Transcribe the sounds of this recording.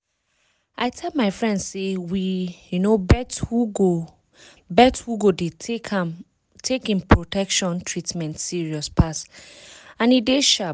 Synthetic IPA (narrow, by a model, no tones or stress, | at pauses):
aɪtʰɛldmaɪfɹɛ̃ndsewijunobɛthuɡo | bɛthuɡode | tʰekĩnpʰɹotʰɛkʃɔ̃ntʰɹitmɛ̃ntsiɹiɔspʰas | ãnideʃa